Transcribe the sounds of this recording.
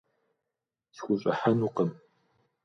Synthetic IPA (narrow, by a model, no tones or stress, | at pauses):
sxʷʊɕʼɐ̰ħanuqəm